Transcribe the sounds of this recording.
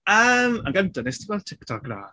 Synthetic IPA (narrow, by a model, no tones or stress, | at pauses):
əːmanɡəndanestiwɛltʰɪktʰɔɡra̰